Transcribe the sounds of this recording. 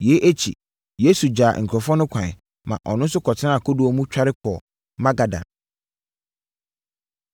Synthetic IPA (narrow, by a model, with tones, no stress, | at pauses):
je˨˦ʔe˦t͡ɕʰḭ˨ | je˦su˨d͡ʑaː˨ŋ̩˨kʰɾɔ˨fɔ˦nʊ̃˦kʷʰã˨n˨ | mã̰˨ʔɔ̰˨nʊ̃˦n˦sʊ˦kʰɔ˨tʰɪ˦nã˦a˨kʰʊ˦du˨ɔ˦mũ˦t͡ɕᶣa˦ɾɪ˦kʰɔ˨ | mã˦ɡa˨dã̰˨n